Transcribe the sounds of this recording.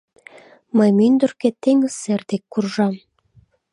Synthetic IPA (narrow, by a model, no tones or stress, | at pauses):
məjmynd̪ərket̪eŋəserd̪ekːurʒɑm